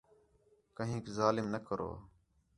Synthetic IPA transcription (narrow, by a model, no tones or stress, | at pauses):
kəɦĩːkzaːlɪmnəkəɾo̰ː